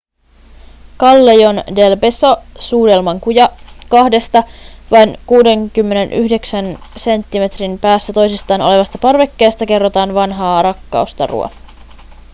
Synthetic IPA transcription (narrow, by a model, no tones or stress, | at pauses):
kɑlːejo̞nde̞lpeso̞suːde̞lmɑŋkujɑkɑhde̞st̪ɑʋɑjnkuːde̞ŋkymːe̞ne̞nʔyhde̞ksænse̞nt̪ːime̞t̪rinpæːsːæt̪o̞jsist̪ɑːnole̞ʋɑst̪ɑpɑrʋe̞kːe̞ːst̪æke̞rːo̞t̪ɑːnʋɑnɦɑːɾɑkːɑ̰ust̪ɑ̰rṵɑ̰